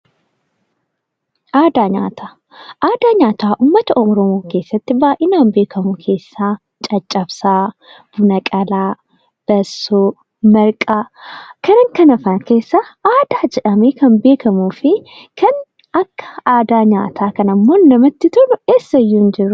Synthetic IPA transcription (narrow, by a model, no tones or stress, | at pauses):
ʔaːd̪aːɲa̰ːt̪ʰaː | ʔaːd̪aːɲaːt̪aːʔuːmːɐt̪ɐʔɔɔɾɔmoːke̞ːsːɐt̪ːɪbaːʔɪnaːnbe̞ːkʰɐmʊkʰe̞ːsːaː | t͡ʃʼɐt͡ʃʼːɐbsaː | b̥ʊnɐkʼɐlaː | b̥ɐsːoː | mɐɾkʼaːkɐɾɐŋkɐnɐfaːnke̞ːsːaʔaːd̪̥aːd͡ʒɛᶑɐmeːkɐnbe̞ːkɐmuːfɪ | kʰɐn | ɐkːɐ̥aːd̪aːɲa̰ːt̪ʰaːkɐnɐmːoːnɐmɐt̪ːɪt̪ʊnʊeːsːɐjːuːnd͡ʒɪɾːʊ